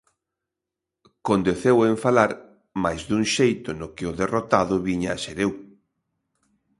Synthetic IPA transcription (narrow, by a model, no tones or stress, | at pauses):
kond̪eθeweɱfalaɾ | majzd̪uŋʃejt̪ʊnʊkɪʊðerot̪aðʊβiɲaaʃeɾew